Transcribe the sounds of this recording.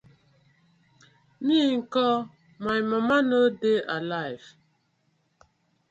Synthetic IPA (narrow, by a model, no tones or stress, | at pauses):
miŋ̩kɔ | majməmanədeʔalajv